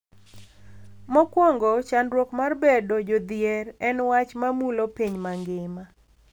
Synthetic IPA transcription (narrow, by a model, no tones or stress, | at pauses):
mɔkwɔŋɡɔt͡ʃanɾwokmarbedod͡ʒod̪ɪjɛrɛnwat͡ʃmamulopiɲmaŋɡɪma